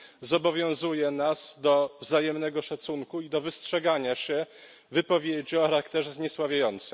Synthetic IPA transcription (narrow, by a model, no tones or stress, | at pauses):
zɔbɔvʲjɔ̃w̃zujɛnasd̪ɔvzajɛmnɛɡɔʂat̪suŋkuid̪ɔvɘstʂɛɡaɲaɕɛ | vɘpɔvʲjed͡ʑiɔxaɾakt̪ɛʐzɲɛswavʲjajɔnt̪sɘ